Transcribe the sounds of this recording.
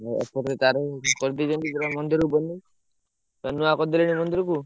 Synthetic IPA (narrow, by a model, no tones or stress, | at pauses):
ɔ̰pɔɾet̪aɾekɔɾd̪id͡ʒɔnt̪id͡ʒeɾamɔnd̪iɾubɔni | tanuakɔd̪ileɽ̃imɔnd̪iɾɔku